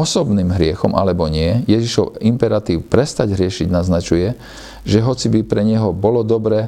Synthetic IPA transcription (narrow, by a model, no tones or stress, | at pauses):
ɔsɔbniːmɦɾɪɛxɔmʔa̰lɛbɔɲɪɛjɛʒiʃɔʊimpɛɾat̪iːʊpɾɛst̪aɟɦɾɪɛʃiɟnaznat͡ʃujɛ | ʒɛɦɔt͡sibipɾɛɲɛɦɔbɔlɔd̪ɔbɾɛː